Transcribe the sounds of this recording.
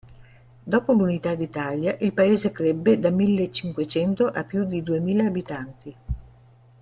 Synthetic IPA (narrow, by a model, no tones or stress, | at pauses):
d̪ɔːpolunit̪ad̪it̪aːljaʔilpaeːzekɾebːed̪amilːet͡ʃːiŋkwet͡ʃɛnt̪oʔapːjud̪id̪uemiːlaːbit̪ant̪i